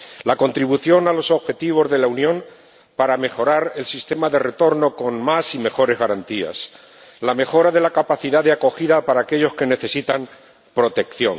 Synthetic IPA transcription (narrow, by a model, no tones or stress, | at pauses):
lako̞nt̪ɾiβuθjo̞nalo̞so̞βxe̞t̪iβ̞o̞zðe̞launjõ̞m | paɾame̞xo̞ɾaɾe̞lsist̪e̞maðe̞re̞t̪o̞ɾno̞ko̞nmasime̞xo̞ɾe̞zɣaɾant̪ia̰s | lame̞xo̞ɾaðe̞lakapaθiðaðeako̞xiðapaɾaːke̞ʎo̞ske̞ne̞θe̞sit̪am | pɾo̞t̪e̞kθjo̞̰ŋ